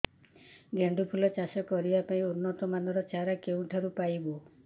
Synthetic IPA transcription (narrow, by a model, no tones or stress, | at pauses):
ɡeɳɖupʰulɔt͡ʃasɔkɔɾibapaĩunːɔt̪ɔmanɔɾɔt͡ʃaɾakeũʈʰaɾupajbo